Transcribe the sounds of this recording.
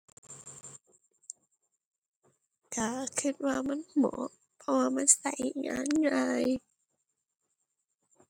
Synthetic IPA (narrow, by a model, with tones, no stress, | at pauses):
kaː˧˩kʰɯ˧˩t̪̚waː˧ma˧˥˨nmɔ̰ː˨˦ | pʰɔ˧waː˧ma˧˥˨nsa˨˦jŋa̰ː˧˥˨nŋaː˧j